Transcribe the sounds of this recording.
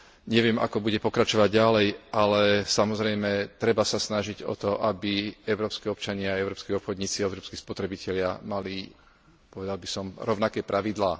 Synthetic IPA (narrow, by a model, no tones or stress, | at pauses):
ɲɛʋɪɛmʔa̰kɔbuɟɛpɔkɾat͡ʃɔʋaɟːalɛjalɛsamɔzɾɛjmɛt̪ɾɛbasasnaʒiɟɔ̰t̪ɔʔabiɛʊɾɔːpskiɔpt͡ʃaɲɪaɛʊɾɔːpskɛɔpxɔd̪ɲiːt͡siɛʊɾɔːpskispɔt̪ɾɛbicɛʎɪamali | pɔʋɛd̪albisɔmɾɔʊnakɛːpɾʔaʋid̪laː